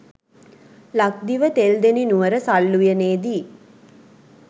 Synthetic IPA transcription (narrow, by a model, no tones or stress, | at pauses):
lak̚d̪iʋət̪eld̪eninuʋəɾəsalːujəneːd̪iː